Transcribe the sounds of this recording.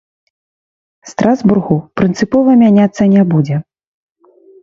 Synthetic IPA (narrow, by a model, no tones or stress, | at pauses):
st̪ɾʔazburɣupɾɨnt̪sɨpɔvɐmʲanʲat̪sːɐnʲɛbud͡zʲɛ